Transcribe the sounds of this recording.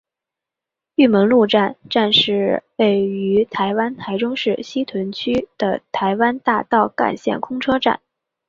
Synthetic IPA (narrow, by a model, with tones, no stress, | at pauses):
y˥˩mə˧˥nlu˥˧ʈ͡ʂa˥˧nʈ͡ʂa˥˧nʂɻ̩˥˧˩we˥˩ɪy˧˥t̪ʰa˧˥ɪwa˥nt̪ʰa˧˥ɪʈ͡ʂʊ˥ŋʂɻ̩˥˩ɕi˥t̪ʰwə˧˥nt͡ɕʰy˥d̪̥ə̰˨˩t̪ʰa˧˥ɪwa˥nt̪a˥˧t̪ɑ˥˩ʊka̰˥˩nɕjɛ̰˥˩nkʰʊ˥ŋʈ͡ʂʰɤ˥ʈ͡ʂa̰˥˩n